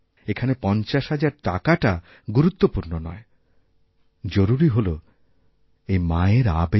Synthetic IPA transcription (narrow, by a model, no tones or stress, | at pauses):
ekʰanepɔnt͡ɕaʃɦad͡ʑaɾʈa̰kaʈa | ɡuɾut̪ːopuɾnonɔ̰e | d͡ʑoɾuɾiɦolo | ejmaeɾabe